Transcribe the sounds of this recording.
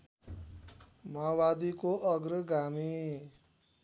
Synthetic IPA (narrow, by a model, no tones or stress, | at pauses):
mawad̪ikoʔʌɡɾəɡami